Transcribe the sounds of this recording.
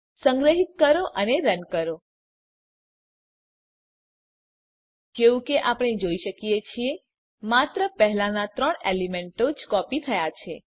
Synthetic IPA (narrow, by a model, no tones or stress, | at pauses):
səŋɡɾəɦit̪̚kəɾoʔəneɾənkəɾo | keʋũkeʔapɽ̃ed͡ʒoiʃəkijet͡ʃʰie | mat̪ɾəpəɦlanat̪ɾəɳelimeɳʈod͡ʒkɔpit̪ʰəjat͡ʃʰe